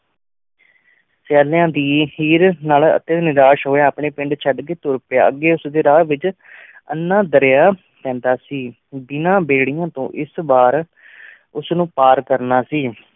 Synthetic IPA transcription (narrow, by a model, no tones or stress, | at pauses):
sɛːlejãːd̪iːhiːɾnaːlə̰t̪ẽːnɪɾaːʃɦoːjaːapɳeːpɪ̃ɳɖt͡ʃʰəɖkeːt̪ʊɾpja̰ːəɡːeːʊsd̪eːɾaːʋɪt͡ʃ | ə̰nːãːd̪əɾejaː | t̪ɛ̃ːnd̪aːsiː | b̪ɪnãːbeːɽɪjãːt̪õ̰ːʔɪsbaːɾ | ʊsnũːpaːɾkəɾnaːsiː